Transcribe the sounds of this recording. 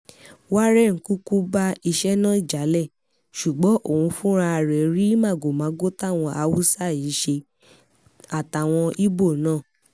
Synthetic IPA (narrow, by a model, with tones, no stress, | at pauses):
wa˦ɾɛ˦˨ŋ̩˨˦ku˦ku˦ba˦i˧ʃɛ˦nãː˦˨i˦˨d͡ʒa˨˦lɛ˦˨ | ʃu˨ɡ͡bɔ˨˦ʔo˦˨ũ˧fũ˦ɾa˧ɾɛ˨ɾi˦mã˦˨ɡo˨mãː˨˦ɡo˦ta˦˨w̃ɔ̃˧ʔa˧wu˦sa˦˨i˨˦ʃe˧ | a˨ta˨w̃ɔ̃˧i˦bo˦˨nãː˦˨